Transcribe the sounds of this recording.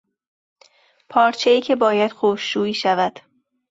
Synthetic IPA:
pʰɒːɾt͡ʃʰeiːcʲʰebɒːjæd̪̥xoːʃːuːiːʃævæd̪̥

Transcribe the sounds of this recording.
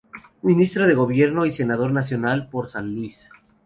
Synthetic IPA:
mĩnist̪ɾoðe̞ɣo̞βje̞ɾno̞ise̞nað̞o̞ɾnas̬jo̞nalpoɾsanlwis

